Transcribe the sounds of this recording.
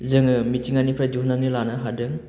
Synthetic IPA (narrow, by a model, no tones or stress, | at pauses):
zɯŋɯmit͡ʃiŋanipʰɾad͡ʒuhnaŋnilanaɦadɯŋ